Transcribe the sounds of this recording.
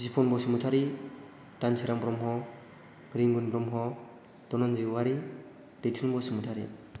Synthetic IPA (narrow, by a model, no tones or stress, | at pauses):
izipʰɔnbɔsimutʰaɾi | tanseɾambɾɔmɦɔ | ɡɾiŋɡunbɾɔmɦɔ | d̥ɔnɔnziwaɾi | d̥etʰunbɔsimutʰaɾḭ